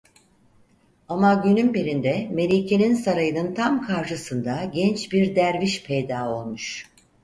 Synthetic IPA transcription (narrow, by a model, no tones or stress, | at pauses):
amaɟynymbeɾind̪ɛme̞lʲiːcʰe̞ninsaɾajɯnɯnt̪ʰamkʰaɾʃɯsɯnd̪aɟɛnt͡ʃbiɾd̪æɾviʃpʰejd̪aːo̞lˠmuʃ